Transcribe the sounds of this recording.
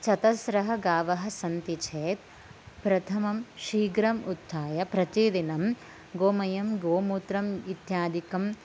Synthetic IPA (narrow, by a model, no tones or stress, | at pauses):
t͡ʃɐt̪ɐsɾɐɦɐɡaːʋɐɦɐ̆sɐnt̪it͡ʃʰeːt̪̚ | pɾɐt̪ʰɐmɐmʃiːɡɾɐmut̪ʰːaːjɐpɾɐt̪id̪inɐm | ɡoːmɐjɐmɡoːmuːt̪ɾɐmit̪jaːd̪ikɐm